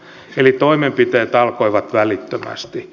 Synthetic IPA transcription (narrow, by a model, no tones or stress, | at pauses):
elit̪oimempit̪eːt̪ɑlkoiʋɑt̪ʋælit̪ːømæ̰st̪i